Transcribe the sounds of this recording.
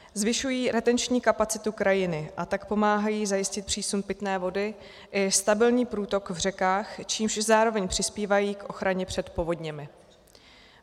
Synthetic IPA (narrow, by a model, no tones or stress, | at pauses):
zvɪʃujiːɾɛt̪ɛnt͡ʃɲiːkapat͡sɪt̪ukɾʔajɪnɪʔat̪akpo̞maːɦajiːzajɪscɪt̪̚pr̝̥iːsumpɪt̪nɛːvo̞dɪ | ʔɪst̪abɪlɲiːpɾuːt̪o̞kvr̝ɛkaːxt͡ʃiːmʃzaːɾo̞vɛɲpr̝̥ɪspiːvajiːkʔo̞xɾaɲɛpr̝̥ɛt̪po̞vo̞d̪ɲɛmɪ